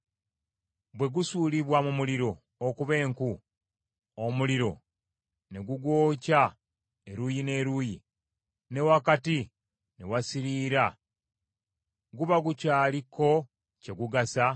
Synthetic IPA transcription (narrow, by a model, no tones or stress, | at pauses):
bwe̞ɡusuːliβwamumuliɾo̞ | okuβe̞ːŋku | omuliɾo̞ | ne̞ɡuɡwo̞ːca | e̞ɾujine̞ːɾuji | ne̞wakati | ne̞wasiɾiːɾa | ɡuβaɡucaːlikːo̞ | ce̞ɡuɡasa